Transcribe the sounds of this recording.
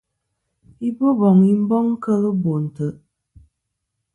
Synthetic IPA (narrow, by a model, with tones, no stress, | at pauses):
i˦bo˦bɔ˨ŋi˦m̩˦bɔ˦ŋ˦kə˦lɨ˦bo˨n̩˨tɨ˨